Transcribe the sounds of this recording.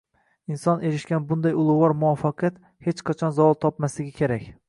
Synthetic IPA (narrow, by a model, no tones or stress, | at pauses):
ɪnsɒne̞ɾɪʃɡʲanbʊnd̪ajʊlˠʊɒɾmʊɒfːɑqʰɨjat̪ | het͡ʃqʰɑt͡ʃʰɒnzavɒlˠt̪ʰɒpmaslɪɡʲɪkʲʰeɾakʲ